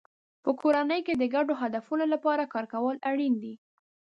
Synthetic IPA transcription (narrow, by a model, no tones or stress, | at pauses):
pəkʰoɾanəjked̪əɡaɖoɦad̪afunolapɑɾakɑɾkawəlaɽind̪i